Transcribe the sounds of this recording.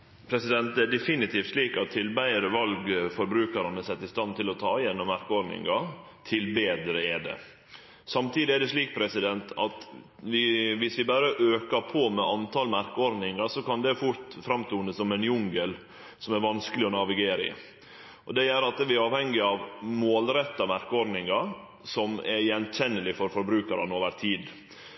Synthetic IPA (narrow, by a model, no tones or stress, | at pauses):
pʰɾɛsɪd̪ɛnt̪æɖɛfɪnɪt̪ʰiːft̪ʂliːkɑt̪ʰːɪlbæɪəɾəʋɑlɡfɔɾbɾʉːkɑɾɑnəsɛt̪ːɪst̪ɑnt̪ɪlɔt̪ʰɑ̰ːɪjɛnːɔmːæɾkəɔɾnɪ̰ŋɑ | t̪ʰɪlbeːd̪ɾəɛd̪ɛ̰ | sɑmt̪ʰiːd̪ɪæɖ̪ɛʂliːk̚pʰɾɛsɪd̪ɛnt̪ʰɑt̪ | ʋɪʋɪsʋɪbɑːɾəʔøːkɑɾpʰoːmɛʔɑnt̪ʰɑlmæɾkəɔɾnɪŋɑsɔkɑnd̪ɛfʊɾt̪fɾɑmt̪ʰuːnəsɔmɛnjʊŋɡəl | sɔmæɾʋɑnskəlɪɔnɑʋɪɡeːɾɪ̰ | ʔɔd̪ɛjæɾɑt̪ʋɪɾɑːʋhɛŋɡɪɑʋmoːlɾɛt̪ːɑmæɾkəɔɾd̪nɪŋɑɾ | sɔmɛɾjɛnçɛnːəlɪfɔɾfɔɾbɾʉːkɑɾɑnoːʋəɾt̪ʰiːd̪